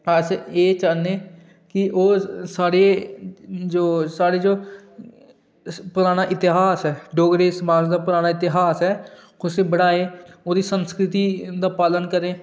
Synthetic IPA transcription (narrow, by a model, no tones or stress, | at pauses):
əseeːt͡ʃaːneː | kɪʔoːsaːɽe | d͡ʒoːsaːɽeːd͡ʒoː | pʊɾaːñaːʔɪt̪ɪɦaːsɦɛːɖoːɡɾeːsbaːd͡ʒd̪aːpʊɾaːnaːɪt̪ɪɦaːsɦɛː | ʊsẽːbəɽaːeːoːd̪iːsənskɾɪt̪iːd̪aːpaːlənkəɾẽː